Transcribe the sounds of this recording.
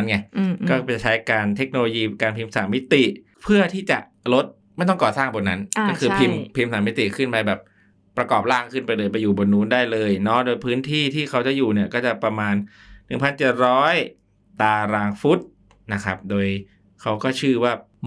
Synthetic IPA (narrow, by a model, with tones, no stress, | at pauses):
nŋi˥˩kɔː˥˩t͡ɕa˨˩t͡ɕʰa˦˥jkaː˧nt̪ʰe˦˥k̚noː˧lo˧jiː˧kaː˧npʰi˧msa̰ː˩˦mːi˦˥t̪i˨˩ | pʰɯ˥˩ɐt̪ʰiː˥˩t͡ɕa˨˩ʔ | lo˦˥t̪̚ | ma˥˩jt̪ɔ˥˩ŋkɔː˨˩saː˥˩ŋbo˧nːa˦˥na˥˩kʰɯː˧pʰi˧mpʰi˧msaː˩˦mi˦˥t̪i˨˩kʰɯ˥˩npa˧jbɛː˨˩p̚ː | ɾa˧kɔː˨˩p̚laː˥˩ŋkʰɯ˥˩npa˧jlɤː˧jpa˧jːuː˨˩bo˧nːuː˦˥ndaː˥˩jlɤː˧jnɔ˦˥doː˧jpʰɯː˦˥nt̪ʰiː˥˩t̪ʰiː˥˩kʰa˦˥wt͡ɕa˨˩juː˨˩ni˦˥˩ɐkɔː˥˩t͡ɕa˨˩pɾa˧maː˧nː | ɯ˨˩ŋpʰa˧nt͡ɕe˨˩t̪̚ɾɔː˦˥j | t̪aː˧ɾaː˧ŋfu˦˥t̪̚ | na˦˥kʰa˦˥p̚doː˧j | kʰa˦˥wkɔː˥˩t͡ɕʰɯː˥˩waː˥˩